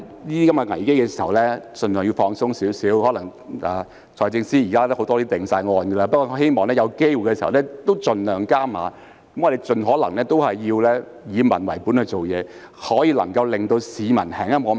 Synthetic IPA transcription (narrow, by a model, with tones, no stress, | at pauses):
niː˥iː˥kɐ˨˥mkɛ˧ŋɐ˨˩jke˥jkɛː˧siː˨˩hɐ˨˩wlɛː˥t͡sɵ˨nlœː˨˩ŋjiː˧wfɔː˧ŋsʊ˥ŋsiː˨˥wsiː˨˥whɔː˨˥lɐ˨˩ŋaː˨˧ | t͡ʃʰɔː˨˩jt͡sɪ˧ŋsiː˥jiː˨kaː˥ɐ˥ho˨˥wt̪ɔː˥t̪iː˥t̪ɪ˨˩ŋsaː˧jŋɔː˧nɡɛ˧laː˧pɐ˥kːɔː˧khe˥jmɔː˨ŋlɛː˥jɐ˨˧wke˥jwu˨˩kɛː˧si˨˩˨ɐ˨wlɛ˥t̪o˥wt͡sɵ˨nlœː˨˩ŋkaː˥maː˨˧ | kɐ˦mː˥ɔ˨˧d̪e˨jt͡sɵ˨nɦɔː˨˥lɐ˨˩ŋlɛː˥t̪o˥whɐ˨jːiː˧wlɛː˥ | jiː˨˧mɐ̰˨˩nwɐ˨˩jpuː˨˥nhɵ˧jt͡so˨wjɛː˨˧ | hɔː˨˥jiː˨˧lɐ̰˨˩ŋkɐ˧wlɪ˨ŋt̪o˧wsiː˨˧mɐ̰˨˩nhʰɛ̰ː˨˩ŋjɐ˥mɔː˧